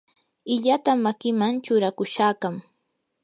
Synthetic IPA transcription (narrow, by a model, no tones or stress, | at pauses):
ɪʎat̪amakɪmaŋt͡ʃʊɾakʊʃaːkam